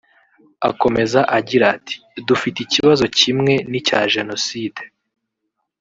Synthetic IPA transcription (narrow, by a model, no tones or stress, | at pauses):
a̰ko̞me̞zaʔaɟiɾatʰi̥dufiticiβazo̞cimŋe̞nicaːʒe̞no̞siːde